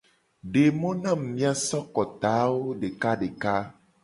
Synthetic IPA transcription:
ɖe˨mõ˦nã˦˨mː˨ĩ˦a˦sɔ˦kɔ˨t̪a˨˦wo˦ɖe˨ka˦ɖe˨ka˦

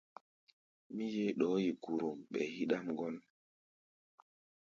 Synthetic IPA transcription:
mi˦je˦ɗɔ˨˦ji˨ku˨ɾu˨mɓɛ̰˨hi˦ɗa˦mɡɔ˦n

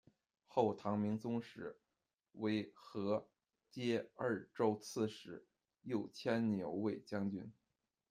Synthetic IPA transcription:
xo˥˩ʊt̪ʰɑ˧˥ŋmi˧˥ŋt͡sʊ˥ŋʂɻ̩˧˩˥ | we˧˥ɪxɤ˧˥ | t͡ɕjɛ˥ə˞˥˧˩ʈ͡ʂo˥ʊt͡sʰɹ̩˥˧ʂɻ̩˧˥ | jo˥˩ʊt͡ɕʰjɛ˥nnjo˧˥ʊwe˥˩ɪt͡ɕjɑ˥ŋt͡ɕy˥n

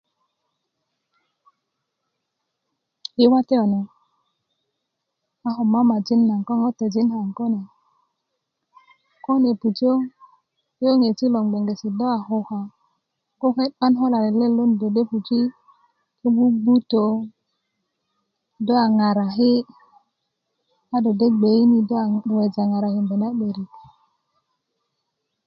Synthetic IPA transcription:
i˦wa˦te˦o˨no˨ | a˦ho˨ma˦ma˨d͡ʒi˦nːa˨ŋko˦ŋo˦te˨d͡ʒi˦nha˨ŋko˦ne˨ | ko˦ne˨pu˨t͡ʃo˦ | i˦jo˦ŋe˨t͡ʃi˦lo˨ŋɡ͡be˨ŋɡe˨si˨do˦a˨ho˦ha˨ | ko˦fe˦tɓa˦nɦo˦la˨le˨le˦˨lo˦n˨do˨de˦pu˨t͡ʃi˦ | ki˦bu˦ɡ͡bu˦to˨ | do˦a˨ŋa˨ɾa˨ɦi˦ | a˦do˨de˦ɡ͡be˨i˦ni˨do˦a˨we˨d͡ʒa˨ŋa˨ɾa˨hi˨mbe˨na˦ɓe˨ɾi˨k

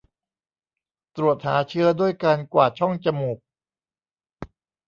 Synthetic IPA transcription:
t̪ɾu˨˩ət̪̚haː˩˦t͡ɕʰɯ˥˩ədu˥˩əjkaː˧nkwaː˨˩t̪̚t͡ɕʰɔ˥˩ŋt͡ɕa˧muː˨˩k̚

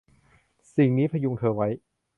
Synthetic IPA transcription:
si˨˩ŋniː˦˥pʰɾa˧ju˧ŋt̪ʰɤː˧wa˦˥j

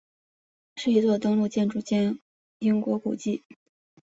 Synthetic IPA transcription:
ʂɻ̩˥˩i˧˥t͡swɔ˥˩t̪ɤ˥ŋlu˥˧t͡ɕjɛ˥˧nʈ͡ʂu˥˩t͡ɕjɛ˥n | i˥ŋkwɔ˧˥kṵ˨˩t͡ɕi˥˩

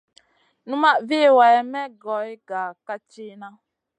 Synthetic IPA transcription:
nũ˦ma˦ve˦˨wa˨jɛ˨mɛ˦ɡɔ˨˦i˦ɡa˨ka˦t͡ʃi˦nã˦

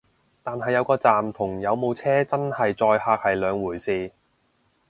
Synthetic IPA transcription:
t̪aː˨nɦɐ˨jːɐ˨˧wkɔː˧t͡saː˨mt̪ʰʊ˨˩ŋjɐ˨˧wmo˨˧wt͡sʰɛː˥t͡sɐ˥nhɐ˨jt͡sɔː˧jhaː˧k̚hɐ˨jlœː˨˧ŋwuː˨˩jsiː˧

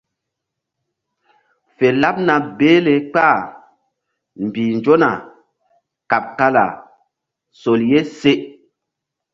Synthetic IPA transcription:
fe˨la˦p̚na˨beː˦le˨k͡pa˦˨ | m˨bi˨nd͡ʒo˦na̰˨ | ka˨p̚ka˦la̰˨ | so˨lje˦se˦ʔ

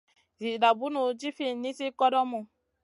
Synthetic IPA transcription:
zi˨da˨bu˦nu˨d͡ʒi˦fi˦˨ni˦si˦kɔ˦dɔ˦mu˧

